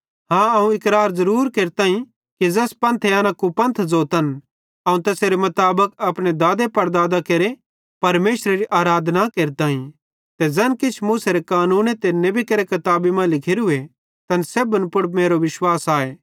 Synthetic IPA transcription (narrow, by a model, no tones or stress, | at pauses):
ɦãɐũɪkɾaːɾzɐɾuːɾkeːɾt̪ãːɦĩ | kid͡zɐspɐ̃nt̪ʰeaːnãkupɐ̃nt̪ʰzoːt̪ən | ɐũt̪ɛːseɾemɐt̪aːbəkɐpɽ̃ed̪aːd̪epɐɾd̪aːd̪akeːɾe | pɐɾmeːʃɾeɾiʔaːɾaːd̪ʱnakeːɾt̪aːɦĩ | t̪ed͡zɐnkɪt͡ʃʰmũːseɾekaːnũːnet̪ɪnːẽbʱikɐɾekɐt̪aːbimãlɪkʰeɾʊe | t̪ɐnseːbənpʊɽmeːɾoʋɪʃwaːsaːeː